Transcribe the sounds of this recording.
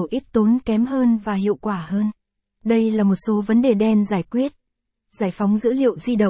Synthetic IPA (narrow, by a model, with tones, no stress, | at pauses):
wʔi˦˥k̚t̪o˨˦nkɛ˨˦mɦəː˧nvaː˨˩ɦḭ˧˨əwkwaː˧˩həː˧n | ɗə˧jlaː˨˩mo˨˩t̚so˨˦və˨˦nɗe˨˩ɗɛ˧nzaː˧˩jkwi˦˥ət̚ | zaː˧˩jfa˨˦wŋ͡mzɨ̰˧˥lḭ˧˨ə˨wzi˧ɗə˨˩